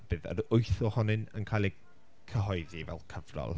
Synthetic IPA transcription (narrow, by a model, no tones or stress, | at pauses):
b̥ɨːðə̰ɾʊɨθɔhɔnɨnə̰nkʰaːlˠi | kʰəɦɔjðivɛ̰lˠkʰəvrɔ̰lˠ